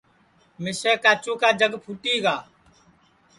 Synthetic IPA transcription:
mɪseːkaːt͡ʃũːkaːd͡ʒəɡpʰuːʈiːɡaː

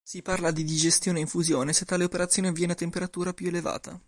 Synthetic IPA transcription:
siparlad̪id̪id͡ʒest̪joːneiɱfuzjoːneset̪ːaːleopeɾat̪sjoːnevjɛːnat̪empeɾat̪uːɾapjueleva̰ːt̪a̰

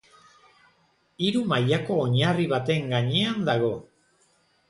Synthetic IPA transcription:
iɾumajako̞ːɲariβat̪e̞ŋɡaɲeand̪aɣ̞o̞

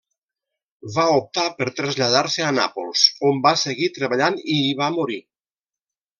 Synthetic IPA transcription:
βaup̚t̪apəɾt̪ɾəzʎað̞aɾseana̰po̰lˠsombaseɣit̪ɾəβaʎaniːβamuɾi

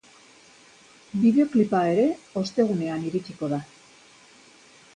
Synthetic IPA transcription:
biðe̞o̞klipae̞ɾe̞o̞st̪e̞ɣ̞une̞aniɾit͡ʃiko̞ða

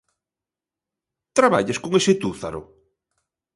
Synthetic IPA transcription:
t̪ɾaβaʎaskoŋesɪt̪uθa̰ɾʊ̰

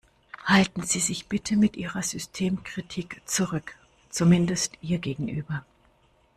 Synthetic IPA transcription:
haltn̩ziːzɪçb̥ɪtʰəmɪtʔiːʁɐzʏstʰeːmkʁ̥itʰiːkt͡suʁʏk | t͡sumɪndəstʔiːɐɡeːɡŋ̩ʔyːbɐ

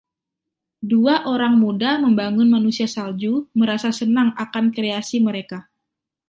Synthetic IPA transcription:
duaʔoɾaŋmudaməmbaŋʊnmanusiasald͡ʒuməɾasasənaŋakankɾeasiməɾeka

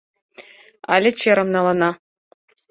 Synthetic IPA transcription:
ɑ̰lʲɘ̆t͡ɕeɾɤ̆mnɑlˠɑnɑ

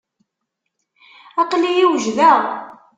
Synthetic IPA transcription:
æqlijiwʒðæʁ

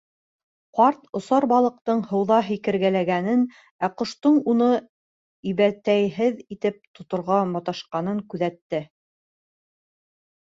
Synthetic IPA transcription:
qɑɾt̪ŏsɑɾbɑlˠɤ̆q̚t̪ɤɴhɤ̆wðɑɦikɘ̆ɾɡælæɡænɘn | æqŏʃt̪ɤɴunɤ | iβæt̪æjɦɘðit̪ɘp̚t̪ŏt̪ŏɾʁɑmɑt̪ɑʃqɑn̪ɤŋkʉðæt̪ːɘ

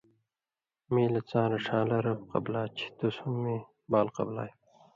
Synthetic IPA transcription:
miːlɐt͡sãːɾɐʂãːlɐɾɐbqɐ̰blaːt͡ɕʰi̥t̪usumːi | baːlqɐ̰blaːj

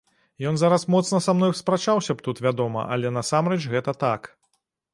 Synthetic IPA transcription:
jɔnzaɾɐsmɔt̪snɐsamnɔjspɾat͡ʂawsʲɐp̚t̪ut̪vʲad̪ɔmɐ̰ʔɐ̰lʲɛnɐsamɾɛt͡ʃɣɛt̪ɐt̪ak

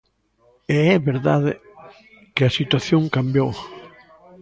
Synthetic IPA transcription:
eɛβeɾðaðɪ | kɪɐsit̪waθjõŋkambjow

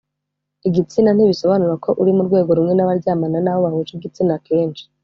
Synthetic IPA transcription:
iɡit͡sinan̥iβiso̞βanuɾakʰo̞ʔuɾimuɾɡwe̞ːɡo̞ɾumŋe̞naβaɾɟaːmananawoβahut͡ʃibɡit͡sinake̞ːnt͡ʃi̥

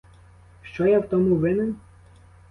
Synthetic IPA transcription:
ʃt͡ʃɔjawt̪ɔmuʋɪnɪn

